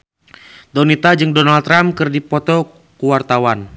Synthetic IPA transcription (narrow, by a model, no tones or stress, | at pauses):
d̪ɔnit̪ad͡ʒɨŋdɔnalt̪ːɾamkərdipɔt̪ɔ | kuwart̪awan